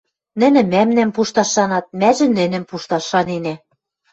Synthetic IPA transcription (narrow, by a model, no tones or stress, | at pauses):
nɘ̆nɘ̆mæmnæmpuʃt̪ɑʃːɑnɑt̪̚mæʒɘ̆nɘ̆nɘ̆mpuʃt̪ɑʃːɑninæ